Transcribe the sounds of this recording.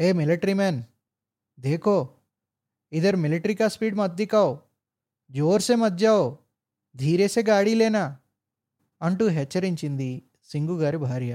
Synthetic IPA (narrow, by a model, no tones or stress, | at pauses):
eːmilɐʈɾimɛːn | d̪eːkoː | id̪ɐɾmiliʈɐɾikaːspiːɖmɐd̪ːikaːwo | d͡ʒoːɾseːmɐd̪jaːw | d̪ʱiːɾeːseːɡaːɽileːna | ɐɳʈuɦɛt͡ʃːɐɾiɲt͡ʃind̪i | siŋɡuɡaːɾibʱaːɾjɐ